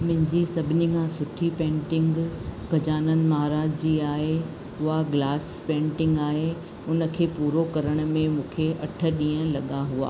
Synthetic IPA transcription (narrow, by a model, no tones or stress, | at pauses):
mɪ̃ɦɪ̃ɲd͡ʑisɐbʱɪnɪikʰãːsʊʈʰipẽːɳʈɪ̃ŋɡɡʱɐd͡ʑaːnənɪ̆maɦaːɾaːd͡ʑʰd͡ʑiːaːɦe | ʊɦaɡlaːs | pẽːɳʈɪ̃ŋɡaːɦe | ʊnə̆kʰeːpuːɾokɐɾəɽ̃̆mẽmũːkʰeʔɐʈʰə̆ɗĩːə̃lɐɠaɦua̰ː